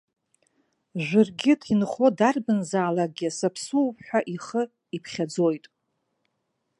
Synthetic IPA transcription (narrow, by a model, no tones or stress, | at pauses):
ʒʷɨrɡʲɪtʰinχo̞darbɨnzaːlaɡ̚ɡʲɪsapʰsuwpħʷᶣaʔiχə | ipʰχʲad͡zo̞jtʼ